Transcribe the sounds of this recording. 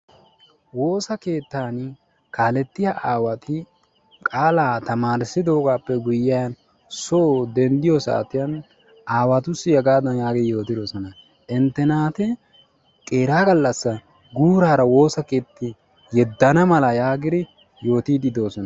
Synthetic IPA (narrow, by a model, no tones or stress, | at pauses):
wo̞ːsɐke̞ːt̪ːaːn | kaːlɛt̪ːɪjaʔaːwɐt̪ʰɪ | kʼaːlaːt̪ɐmaːɾɪsːɪd̪o̞ːɡaːpːɛɡʊjːɪɐn | soːd̪ɛnd̪ɪjɔsa̰ːt̪ɪjɐn | ʔaːwɐt̪ʊsːɪjɛɡaːd̪ɐnjaːɡɪjo̞ːt̪ɪd̪o̞ːsɔnɐ | ʔɪnt̪ːɛnaːt̪ɛ | kʼeːɾaːɡɐlːɐsːɐ | ɡuːɾaːɾɐwo̞ːsɐke̞ːt̪ːɪ | jɛd̪ːɐnɐmɐlɐjaːɡɪd̪ɪ | jo̞ːt̪iːd̪ɪd̪o̞ːsɔnɐ